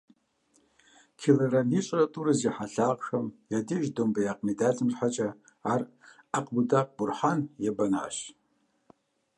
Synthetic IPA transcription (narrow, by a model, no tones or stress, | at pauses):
kʲʰileɾanit͡ʃʷʼratʼuɾɨziħaɬaʁqxamjadiʒdomɡajaqʼmidat͡sʼɨmrħat͡ʃʼaː | r | aqʼbudaq̚ʼburħanjabana̰ʃ